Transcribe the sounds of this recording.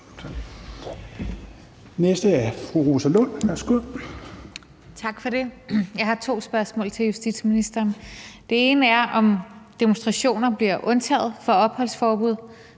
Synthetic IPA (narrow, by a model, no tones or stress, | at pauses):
nesd̥əæɐfʁuʁo̝ːsəlɔn̰ʋæsɡ̥uðˠ | t͡sʰɑ̈ɡ̥fɒ̽ɾe̝jɑ̈ɪhɑ̈t͡sʰo̝̰ːsb̥ɶɐsmɔ̰̽ːlt͡sʰe̝ljusd̥ḭd̥sminisd̥ɐːnd̥e̝e̝ːnəæɐʔɒ̽md̥e̝monsd̥ʁɑ̈ɕo̝̰ːnɐb̥liɐʔɔ̽nt͡sʰɛ̰ːð̞̩ˠfɒ̽ɒ̽b̥hɒ̽l̰sfɒːb̥uð̞̰ˠ